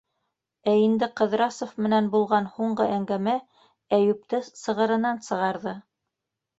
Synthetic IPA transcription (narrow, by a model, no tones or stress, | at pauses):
æind̪ɘqɤ̆ðɾɑsofmɘ̆nænbulˠʁɑnhuɴɢɤʔæŋɡæmæ | æjʉp̚t̪ɘsɤ̆ʁɤ̆ɾɤ̆nɑnsɤ̆ʁɑɾðɤ